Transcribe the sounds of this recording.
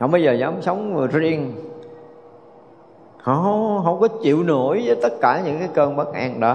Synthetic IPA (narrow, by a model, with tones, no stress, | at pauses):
ha̰˨˧˩wɓə˧jzəː˨˩zaː˨˦msə˨˦wŋ͡mzi˧ən | hɔ˧˨˦ɦə˧wŋ͡mkɔ˨˦t͡ɕḭ˧˨əwno˧˩jvəː˨˦jt̪ə˦˥t̚kaː˧˩ɲɨ̰˧˥ŋkaː˨˦jkəː˧nɓə˦˥k̚ʔaː˧nɗɔ˨˦